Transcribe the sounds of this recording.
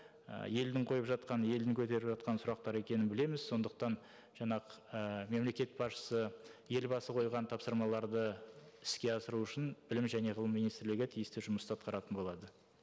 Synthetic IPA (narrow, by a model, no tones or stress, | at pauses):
ə̰je̞ld̪ɪŋqʰo̞jəpʒɑt̪̚qɑnje̞ld̪ɪŋkʲʰɵt̪e̞ɾɪpʒɑt̪̚qɑnsʊɾɑq̚t̪ɑɾe̞kʲe̞nɪnbɪle̞mɪz̥so̞nd̪əq̚t̪ɑn | ʒ̥ɑɴɑqəəme̞mle̞kʲe̞t̪̚bɑʃə̥səje̞lbɑsəqʰo̞jʁɑnt̪ʰɑpsəɾmɑlˠɑɾd̪əɪskʲe̞ɑsəɾuʊʃɪnbɪlɪmʒæne̞ʁəlˠəmːinijst̪ɪɾlɪɡʲɪt̪ʰijɪst̪ɪʒʊməst̪ɑt̪qɑɾɑt̪ənbo̞lˠɑd̪ə